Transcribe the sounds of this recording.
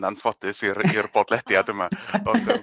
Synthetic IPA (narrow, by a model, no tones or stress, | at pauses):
nanfɔd̥ɨsiɾirb̥ɔdlˠɛd̥jadəmaɔndəm